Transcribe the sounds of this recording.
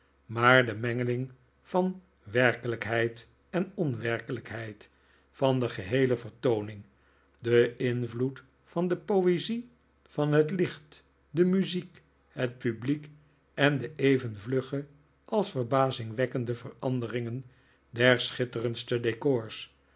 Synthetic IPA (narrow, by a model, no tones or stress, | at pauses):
maːɹdəmɛŋəlɪŋ | vɑn | ʋɛɹkələkɦɛjt | ɛnɔnʋɛrkələkɦɛjt | fɑndəχəɦejləvəɹtownɪŋ | dəʔɪnvlut | fɑndəpowezi | fɑnɦətlɪχt | dəmyzik | hət̚pyblik | ɛndəʔejvənvlɵχə | ʔɑlˠsfəɹbaːzɪŋʋɛkəndəvərɑndərɪŋən | dɛɹsχɪtərənstədekɔɹs